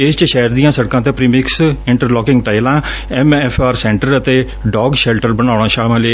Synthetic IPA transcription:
ɪst͡ʃʃɛːəɾd̪iːãːsəɽkãːt̪ẽːpɾiːmɪksɪɳʈəɾlɔːkɪ̃ŋɡʈaːilãː | ɛmɛpʰaːɾsɛ̃ːɳʈəɾət̪eː | ɖɔːɡʃɛlʈəɾbənaːɽ̃ãːʃaːlmãːleː

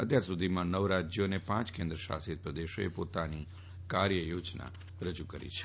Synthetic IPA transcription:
ət̪jaɾsud̪ʱimãnəʋɾad͡ʒjonepãt͡ʃkẽnd̪ɾəʃa̰sit̪̚pɾəd̪eʃoḛpot̪ani | kaɾjəjod͡ʒna̰ | ɾəd͡ʒukəɾḭt͡ʃʰɛ̥

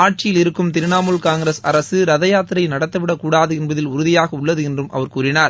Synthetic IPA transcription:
aːʈ̚t͡ʃɪjɪlɪɾɯkːɯmt̪ɪɾɯnaːmɯlkaːŋɡɪɾɐsɐɾɐsɯɾɐðɐjaːt̪ɪɾɐɪnɐɽɐt̪ːɐʋɪɽɐkːuːɽaːðɯɛnbɐðɪlʊɾʊðɪjaːɣɐʊɭːɐðɯɛndrɯmʔɐ̰ʋɐɾkuːɾɪnaːɾ

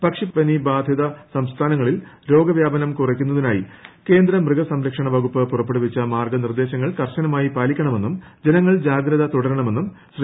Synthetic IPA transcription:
pɐkʂipɐnibaːd̪ʱjɐðɐsɐmst̪ʰaːnɐŋːɐɭilɾo̞ːɡɐʋjaːbɐnɐmkurɐkʲːunːɐðinaːjike̞ːnd̪ɾɐmrɨɡɐsɐmɾɐkʂɐɳɐʋɐɣupːɨpːurɐpːeɽuʋit͡ɕːɐmaːrɡɐnird̪e̞ːɕɐŋːɐɭkɐrɕɐnɐmaːjipaːlikʲːɐɳɐme̞nːum | d͡ʑenɐŋːɐɭd͡ʑaːɡɾɐðɐt̪uɽɐɾɐɳɐmenːumɕr

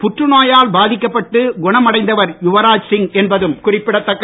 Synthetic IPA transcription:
pʊʈrɯnaːjaːlbaːðɪkːɐpːɐʈːɯɡʊɳɐmɐɽɐɪnd̪ɐʋɐɾjʊʋɐɾaːd͡ʒsɪŋɛnbɐðɯmkʊrɪpːɪɽɐt̪ːɐkːɐ

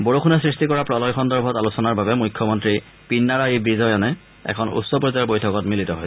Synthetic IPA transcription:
boɹokʰunɛsɹistikɔɹapɹɔlɔjxɔndɔɹbʱɔtalusɔnaɹbabɛmujkʰːjɔmɔntɹi | pinːaɹajibizɔjanɛ | ɛ̰kʰɔnṵsːɔpɹzabojtʰɔkɔtmilitɔɦoj

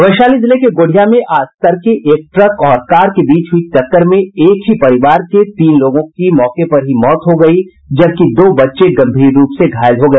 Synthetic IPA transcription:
ɐʋəʃaːlizɪlekeɡoːɽ̤ʱijamẽʔaːst̪əɾkeʔeːk̚ʈɾɐkɔːɾkaːɾkebiːt͡ʃɦʊit͡ʃɐkːəɾmẽeːkɦipɐɾɪʋaːɾket̪iːnloːɡõkimɔːkepɐɾɦimɔːt̪ɦoɡɐi | d͡ʒɐb̚kid̪oːbɐtːʃeɡɐ̃mbʱiːɾːuːpseɡʱaːjɪzɦoɡɐeː

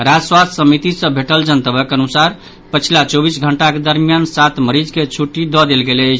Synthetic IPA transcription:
ɾad͡ʒəswast̪ʰsəmit̪isə̃bʱeʈəld͡ʒənt̪əbəkənusaɾ | pət͡ʃʰilat͡ʃobisɡʱəɳʈaked̪əɾmijansat̪məɾid͡ʒket͡ʃʰuʈːid̪ɔd̪elɡelət͡ʃʰ

